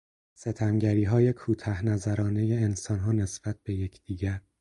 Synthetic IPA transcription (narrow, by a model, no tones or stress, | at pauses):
se̞t̪ʰæmɟæɾiːɦɒːje̞kʰuːt̪ʰæhnæzæɾɒːne̞je̞ːnsɒnɦɒːne̞sb̥æt̪̚b̥e̞je̞cʰd̪̥iːɟæɾ